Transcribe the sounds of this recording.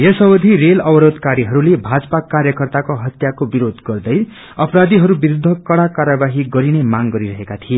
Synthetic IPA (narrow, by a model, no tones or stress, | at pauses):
jesʌbʌd̪ʱirelʌbʌɾod̪ʱkaɾiɦʌɾulebʱad͡zʌpakarjʌkʌrt̪akoɦʌt̪jakobiɾod̪ɡʌrd̪ʌj | ʌpʌɾad̪iɦʌɾubiɾud̪ʱːʌkʌɽakaɾjʌbaɦiɡʌɾinemaŋɡʌɾiɾʌɦekat̪ʰie